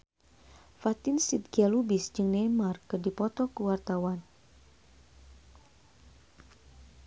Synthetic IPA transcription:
fat̪ɪnsit̪̚ɡalubisd͡ʒɨŋnɛmarkɨrdipɔt̪ɔkəwart̪awan

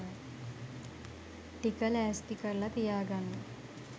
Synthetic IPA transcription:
ʈikɐlɛːspikɐɾlɐt̪ijaːɡɐnːu

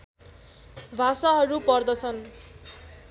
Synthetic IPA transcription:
bʱasaɦʌɾupʌrd̪ʌt͡sʰʌn

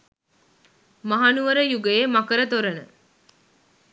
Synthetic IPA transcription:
mɐɦɐnuʋɐɾəjuɡeemɐkəɾət̪oɾɐnə

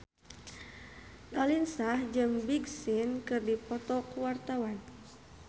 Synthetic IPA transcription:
lalinsahd͡ʒɨŋbiɡsinkɨrdipɔt̪ɔkuwart̪awan

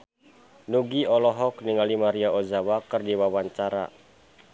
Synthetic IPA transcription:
nuɡiɔlɔɦɔkniŋalimaɾiaozawakɨrdiwawaɲt͡ʃaɾa̰

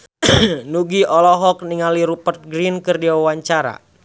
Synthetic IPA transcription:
nuɡiʔɔlɔɦɔk̚niŋaliɾupərt̪̚ɡɾinkɨrdiaawaɲt͡ʃaɾa̰

